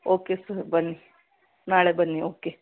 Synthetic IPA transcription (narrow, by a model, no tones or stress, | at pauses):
oːkesɐɾbɐnːi | naːɭebɐnːioːke